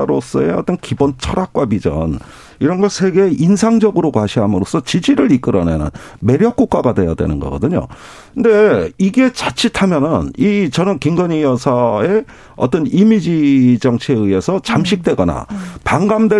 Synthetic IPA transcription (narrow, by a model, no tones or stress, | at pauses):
ɾos͈ʌe̞ʌt͈ʌnkibont͡ɕʰʌɾak̚k͈wabid͡ʑʌ̰n | iɾʌnɡʌsʰe̞ɡe̞ʔinsʰaŋd͡ʑʌɡɯɾokwaɕʰiɦamɯɾos͈ʰʌt͡ɕid͡ʑiɾɯɾik͈ɯɾʌnenɯ̰nme̞ɾjʌk͈uk͈aɡadwe̞ja̰dwe̞̰nɯnɡʌ̰ɡʌ̰dɯɲo̰ | ɯnde̞iɡe̞t͡ɕat͡ɕʰitʰamjʌnɯnit͡ɕʌnɯnkiŋɡʌɲijʌsʰae̞ | ʌ̰t͈ʌnimid͡ʑid͡ʑʌŋt͡ɕʰeɯie̞sʰʌt͡ɕamɕʰik̚t͈we̞ɡʌna̰paŋɡamdwe